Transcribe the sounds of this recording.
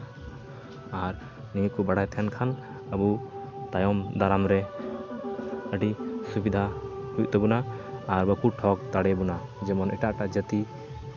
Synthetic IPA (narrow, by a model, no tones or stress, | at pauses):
aɾ | nikubaɽajt̪ʰɛnkʰan | əbut̪ajɔmd̪aɾamɾɛ | əɖisubid̪ʱahujʔ̚t̪ɔbɔnaːɾbəkuʈʰɔk̚t̪aɽɛbɔnad͡ʒɛmɔnɛʈaʔʈaʔd͡ʒət̪i